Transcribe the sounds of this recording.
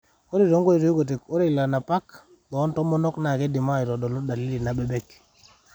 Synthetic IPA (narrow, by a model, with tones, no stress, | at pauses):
o˦ɾi˨ɾo˦ŋɡo˦di˨to˦i˦ɡo˨t̬e˨ko˦ɾe˦˨la˨na˨pa˦k | bɔ˨˦ntɔ˦mɔ˦nɔ˦kna˨ke˦di˨ma˦˨i˨ɾɔ˨dɔ˨lo˦da˨li˦li˨na˨bɛ˨bɛ˦k